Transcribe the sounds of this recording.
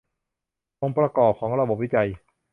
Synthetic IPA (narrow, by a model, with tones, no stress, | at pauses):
po˧ŋpɾa˧kɔː˨˩p̚kʰɔː˩˦ŋɾa˧bo˨˩p̚wi˦˥t͡ɕa˧j